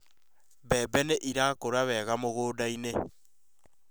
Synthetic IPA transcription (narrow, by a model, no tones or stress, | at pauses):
βɛbɛneʔiɾakoɾaβɛɣamoɣoːdaine